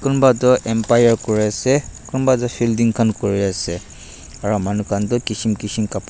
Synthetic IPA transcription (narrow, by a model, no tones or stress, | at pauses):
kʊnbatɔʔɛmpajaɹkoɹiasɛkʊnbat̬ɔpʰildiŋkʰankoɹiasɛ | aɹɔmanukʰantʊkisimkisimkap